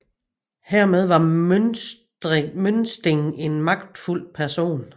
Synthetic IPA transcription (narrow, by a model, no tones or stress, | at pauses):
hæɐ̰með̞ˠʋɑ̈ | mønsd̥eŋe̝nmɑ̈ɡ̥̚d̥ful̰pʰæɐso̝̰ːn